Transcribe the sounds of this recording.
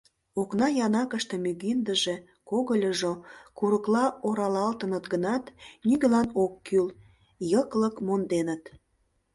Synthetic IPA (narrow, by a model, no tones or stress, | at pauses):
oknɑjɑnɑkəʃt̪ĕmyɣind̪əʒe̽ | koɣəlʲəʒokuɾəklɑoɾɑlɑlt̪ənət̪ɡənɑt̪nyɡelɑnokːyl | jəkləkmond̪enət̪